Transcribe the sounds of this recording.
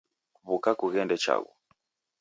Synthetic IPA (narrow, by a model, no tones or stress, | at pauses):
βukakuɣɛndɛt͡ʃa̰ɣṵ